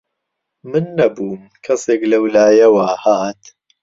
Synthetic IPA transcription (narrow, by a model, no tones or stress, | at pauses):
mɨnːɐbuːm | kʰɐseːklɐwlaːjɐwaːhaːt̪